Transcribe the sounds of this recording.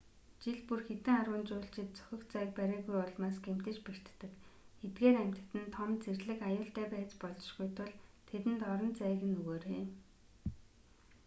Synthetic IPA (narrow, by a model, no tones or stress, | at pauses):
t͡ɕiɮpurxet̪ɘ̆ŋarwə̆nt͡ɕʊːɬt͡ɕɪ̆t̪̚t͡sœ̥xʲɪ̆k̪t͡sæːk̚pæɾʲiːɣujɔɮmaːsɡem̥t̪ɘ̆t͡ɕpir̥t̪ːɘ̆kxet̪ɡeːɾæm̥ʲt̪̆t̪ɘ̆nt̪ʰɔmt͡serɮɘ̆kajʊːɬt̪æːpæːt͡spɔɮɞ̆ʃɡujt̪ʰʊɮt̪ʰet̪ɘ̆nt̪ɔɾɞ̆nt͡sæːɣɘ̆nɵɣoːɾeː